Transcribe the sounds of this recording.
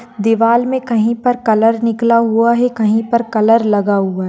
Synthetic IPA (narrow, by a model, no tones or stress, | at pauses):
d̪ɪʋaːlmẽkɐɦĩpɐɾkɐləɾnɪklaɦuaɦɛkɐɦĩpɐɾkɐləɾlɐɡaɦuaɦ